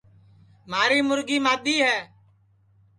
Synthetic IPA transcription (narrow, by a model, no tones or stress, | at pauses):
maːɾiːmʊɾɡiːmaːd̪iːɦɛː